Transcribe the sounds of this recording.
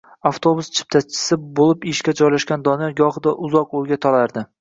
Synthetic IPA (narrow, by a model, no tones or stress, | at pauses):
aft̪ʰobʊst͡ʃʰɪ̥p̚t̪ʰat͡ʃʰɪ̥sɪbolɪpɪʃkʲad͡ʒɒjlaʃkʲand̪ɒnɪjɒɡɒhɨd̪aʔʊzɒqoɾɡʲat̪ʰɒlaɾd̪ɪ